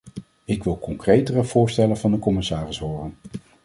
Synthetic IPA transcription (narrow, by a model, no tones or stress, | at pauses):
ɪkʋɪlˠkɔŋkrejtərəv̥ʊːɹstɛlənvɑndəkɔmɪsaːrɪsɦoːrən